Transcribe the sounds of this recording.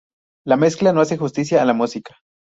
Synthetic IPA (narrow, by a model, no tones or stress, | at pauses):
lame̞sklanoas̬e̞xust̪isjaːlamusikḁ